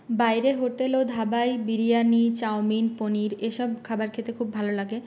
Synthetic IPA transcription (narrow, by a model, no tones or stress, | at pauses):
bajɾeɦoʈelod̪ʱabajbiɾijanit͡ɕawminponiɾeʃɔb̚kʰabaɾkʰet̪ɾekʰubːʱalolaɡe